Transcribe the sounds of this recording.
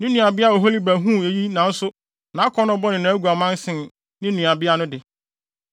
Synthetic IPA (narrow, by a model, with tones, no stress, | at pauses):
nɪ̃˦nũ˨a˨bɪ˦a˦˨o˨ɦo˦li˦bæ˨ɦũ˦˨e˨ji˦nã˨n̩˦sʊ˦ | nã˨˦kʰɔ˨˦nʊ̃˦bɔ˦nɪ̃˨nã˨æ˦ɡu˨a˨mã˦n˦sɪ̃˨n | nɪ̃˦nũ˨a˨bɪ˦a˦nʊ̃˦dɪ˨